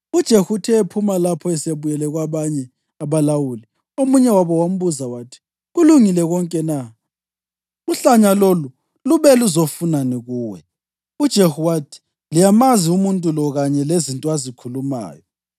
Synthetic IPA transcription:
ud̥ʒ̥ʱehutʰɛepʰumalapʰɔɛseβujɛlɛɣwaβaɲɛ | aβalawuli | omuɲɛwaβɔwam̩βuzawaːtʰi̥ | ɣuluŋilɛɣɔŋkʼɛna | uɬaɲalolu | luβɛluzofunaniɣuːwɛ̰ | ud̥ʒ̥ʱehuwatʰi̥ | lijamaziumuntʼulɔɣaɲɛlezintʼɔazikʰuluma̰ːjɔ

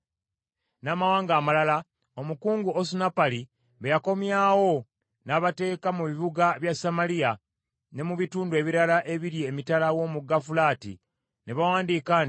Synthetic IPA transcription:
naːmawaːŋɡaːmalala | o̞mukuːŋɡuosunapali | βejako̞mjaːwo̞ | naːβate̞ːkamuβiβuɡaβjasamalija | ne̞muβituːndue̞βiɾalaʔe̞βiɾjeːmitalawo̞ːmuɡafulaːtḭ | ne̞βawaːndiːkaːn

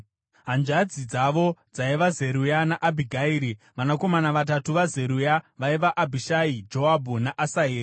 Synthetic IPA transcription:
ɦand͡ʒad͡zid͡zaʋo̞d͡zaiʋaze̞ɾujanaʔabʱiɡʱaiːɾi | ʋanako̞manaʋatatuʋaze̞ɾujaʋaiʋaʔabʱiʃaid͡ʒo̞abʱunaʔasaɦeːri

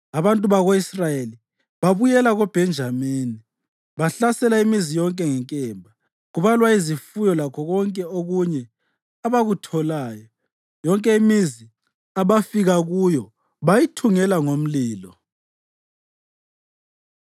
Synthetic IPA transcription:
aβantʼuβaɣoisrajeli | βaβujɛlaɣɔb̥ʱɛnd͡ʒʱameːni | βaɬasɛlaimizijɔŋkʼɛŋɛŋkʼɛmbʱa | ɣuβalwaizifujɔlakʰɔɣɔŋkʼɛoɣuɲɛ | aβaɣutʰɔlaːjɔ | jɔŋkʼɛimizi | aβafiɣaɣujɔ | βajitʰuŋɛlaŋom̩liːlɔ

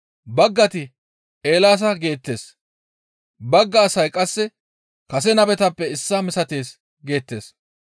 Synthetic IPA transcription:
bɐɡːɐt̪ɪ | e̞ːlaːs̬ɐɡe̞ːt̪ːe̞̰ːs | bɐɡːɐːsɐjkʼɐsːɛ | kɐsɛnɐbɛt̪ɐpːɛɪsːɐmɪsɐt̪e̞ːs | ɡe̞ːt̪ːe̞̰ːs

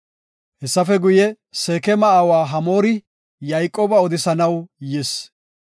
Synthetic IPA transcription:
hɛsːɐfɛɡʊjɛ | seːkɛmɐaːwaːɦɐmo̞ːɾɪ | jɐjkʼːoːbɐɔd̪ɪsɐnɐwjɪs

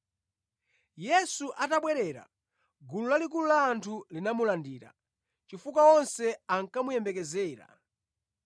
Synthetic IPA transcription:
jɛsuʔataɓwɛɾɛɾa̰ | ɡululalikululaːntʰulinamulandiːɾa̰ | t͡ʃifukwaɔnsɛaŋkamujɛmbɛkɛzɛːɾa̰

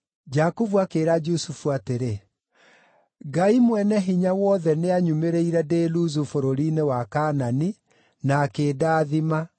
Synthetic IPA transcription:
d͡ʒakuvuakeːɾad͡ʒusufuateɾe | ɡaimwɛnɛɦiɲawɔðɛneaɲumeɾeiɾɛdeluzufoɾoɾinewakaːnani | nakeːdaːðima

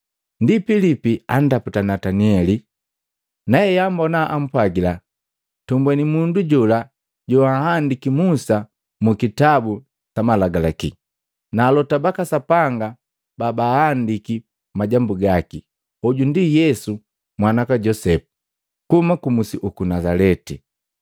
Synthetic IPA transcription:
ndipilipian̩daputanataniɛli | naɛjambɔnaʔam̩pwaɡila | tumbwɛnimunduɟula | ɟɔahandikimusa | mukitabu | t͡ʃamalaɡalakḭ | naːlɔtabakasapaŋɡa | babahandiki | maɟambuɡaki | ɔɟundijɛsu | mwanakaɟɔsɛpu̥ | kumakumusiʔukunazalɛti

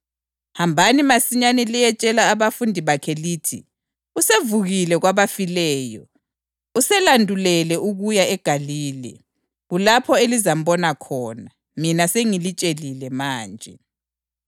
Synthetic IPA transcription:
hambʱanimasiɲanɛlijɛt͡ʃʼɛlaːβafundʱiβakʰɛliːtʰi | usevuɣilɛɣwaβafilɛːjɔ̰ | usɛlandʱulɛlɛʔuɣujaɛɡ̥ʱaliːlɛ̰ | ɣulapʰɔelizam̩βɔnakʰɔːna | minaseŋilit͡ʃʼelilɛmaːnd͡ʒʱɛ

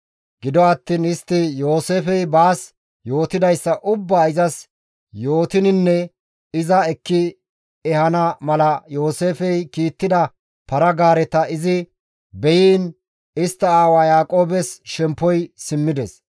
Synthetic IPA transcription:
ɡɪd̪ɔɐt̪ːiːnɪst̪ːɪjo̞ːseːfɛjbaːs | jo̞ːt̪ɪd̪ɐjsːɐʔʊbːaːɪzɐs | jo̞ːt̪ɪnɪnːɛ | ɪzɐɛkːɪ | ɛhɐnɐmɐlɐjo̞ːse̞ːfɛjkiːt̪ːɪd̪ɐ | pɐɾɐɡaːɾɛt̪ɐɪzɪ | bɛjiːn | ɪst̪ːɐaːwajaːkʼo̞ːbɛsʃɛmpːɔjsɪmːɪd̪ɛs

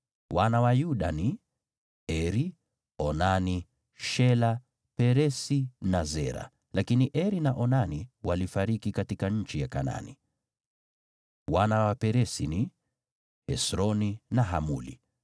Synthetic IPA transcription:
wanawajuɗani | ɛɾi | ɔnani | ʃɛla | pɛɾɛsinazɛɾa̰ | lakiniʔɛɾinaʔɔnaniwalifaɾikikatikaɲ̩t͡ʃijakana̰ni | wanawapɛɾɛsini | hɛsɾɔninaɦa̰mṵlḭ

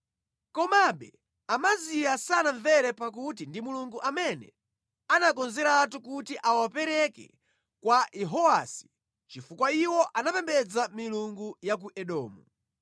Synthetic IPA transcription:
kɔmaɓɛ̰ | amaziasanaɱvɛɾɛpak̬ut̬indimuluŋɡuʔamɛnɛ | anakɔnzɛɾatukutiʔawapɛɾɛkɛ̰ | kwaɛɦɔasi̥ | t͡ʃifukwaiwɔʔanapɛmbɛd͡zamiluŋɡujak̬uʔɛɗɔːmu

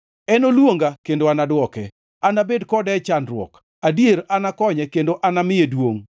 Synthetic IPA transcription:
ɛnolwoŋɡakendoanadwɔkɛ | anabedkɔdɛt͡ʃandrwɔ̰k | adieɾanakɔɲɛkendoʔanamɪjedwoŋ

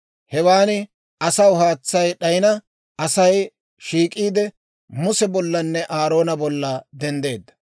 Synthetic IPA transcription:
hɛwaːnɪ | ɐsɐwɦaːt͡sːɐjɗɐjɪnɐ | ɐsɐj | ʃiːkʼiːd̪ɛ | mʊsɛbɔlːɐnːɛʔaːɾo̞ːnɐbɔlːɐd̪ɛnd̪e̞ːd̪ːɐ̥

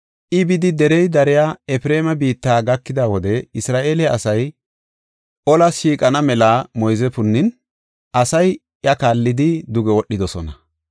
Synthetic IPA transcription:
ʔɪbɪd̪ɪd̪ɛɾɛjd̪ɐɾɪjaːɛfɾe̞ːmɐbiːt̪ːaːɡɐkːɪd̪awɔd̪ɛɪsɾaːʔe̞ːlɛɐsɐj | ʔɔlɐʃiːkʼɐnɐmɛlamɔjzɛfʊnːɪn | ʔɐsɐj | jɐkaːlːɪd̪ɪd̪ʊɡɛwɔɗːɪd̪ɔsɔ̰nɐ

